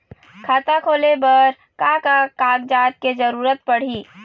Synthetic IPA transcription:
kʰaːt̪akʰoːlebəɾ | kakakaːɡd͡ʒaːt̪̚ked͡ʒəɾuːɾət̪̚pəɽ̤iː

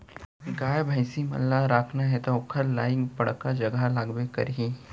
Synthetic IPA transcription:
ɡaːjbʱaɪsimɐ̰lːaɾaːkʰnaɦɛt̪oʊkʰəɾlaːɪkbɐɽkːad͡ʒɐɡalaːɡbekɐɾɦi

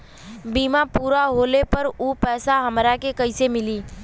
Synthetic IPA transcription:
biːmapuːɾaɦoːlepəɾuːpɛːsaɦəmɾakekəɪsemɪliː

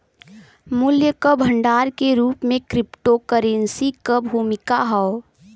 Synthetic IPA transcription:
mʊljəkəbʱəɳɖaːɾkeɾuːpmẽkɾɪpʈokəɾensikəbʱuːmɪkaɦɔo

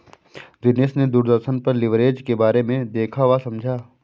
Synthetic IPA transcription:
d͡ʒɪnesned̪uːɾd̪əɾʃənpɐɾlɪʋɾeːd͡ʒkebaːɾemẽd̪eːkʰaʋasɐ̃md͡ʒʱaː

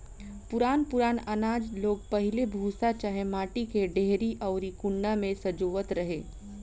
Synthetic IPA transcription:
pʊɾaːnpʊɾaːnɐnaːd͡ʒloːɡ̚pɐɦɪlebʱuːsat͡ʃaɦẽmaːʈikeɖeɦɾiʔɔːɾikʊɳːamẽsɐd͡ʒoːʋət̪ɾɐɦeː

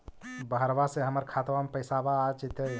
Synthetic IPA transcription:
bəɦəɾʋaseɦəməɾkʰat̪ʋamepəjsabaːt͡ʃit̪əj

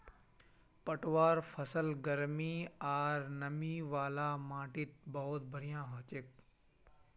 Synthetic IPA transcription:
pəʈʋaːɾfʰəsəlɡəɾmiːaːɾnɐmiːʋaːlaːmãːʈɪt̪̚bɐʊt̪̚bʱəɽ̤ijãːɦoːt͡ʃek̚

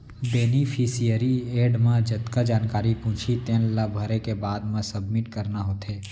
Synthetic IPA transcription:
beːnipʰisijəɾieːɖmãd͡ʒɐt̪kad͡ʒaːnkaːɾipũːt͡ʃʰit̪eːnlabʱəɾekebaːd̪mãsɐbmɪʈkəɾnaɦoːt̪ʰeː

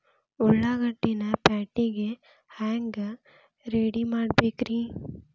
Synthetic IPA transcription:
ɔɭːaːɡɐʈːinɐpaːʈːiɡe | haːŋɡ | ɾeːɽimaːɽbeːkɾi

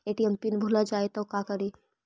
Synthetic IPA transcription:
eʈiəmpinbʱulad͡ʒaːet̪ɔkakəɾi

